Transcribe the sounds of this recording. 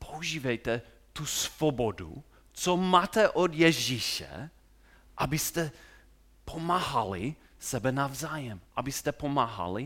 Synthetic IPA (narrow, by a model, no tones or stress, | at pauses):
pʰouʒiːvɛjt̪ɛ | t̪usv̥obodṵ | t͡somaːt̪ɛʔod̪jɛʒiʃɛ̰ | ʔabɪst̪ɛ | pʰomaːɦali | sɛbɛnavzaːjɛmʔabɪst̪ɛpomaːɦa̰li